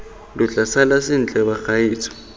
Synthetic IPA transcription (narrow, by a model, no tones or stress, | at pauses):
luɮasalasind͡ɮʱʼɛɓaxajiːt͡sʰʼɔ̥